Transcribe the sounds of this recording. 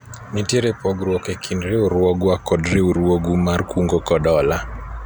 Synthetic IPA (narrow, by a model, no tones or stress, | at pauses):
miteɾepɔɡɾwɔkekʰindɾeuɾwɔɡwakɔdɾeuɾwoɡumarkuŋɡokɔɗɔla